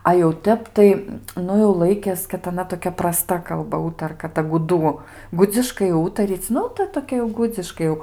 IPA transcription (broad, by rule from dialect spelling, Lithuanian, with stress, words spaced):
ɐ jɛʊ ˈtʲɛp tɐɪ ˈnʊ jɛʊ ˈlˠɐɪkʲeːs kɐt ɐˈnɐ toːˈkʲɛ prɐˈstɐ kɐlˠˈbɐ ˈuːtɐrkɐ ˈtɐ ɡʊˈduː ˈɡʊd͡zʲɪʃkɐɪ ˈuːtɐrʲiːt͡sʲ ˈnʊ tɐ toːˈkʲɛ jɛʊ ˈɡʊd͡zʲɪʃkɐɪ jɛʊ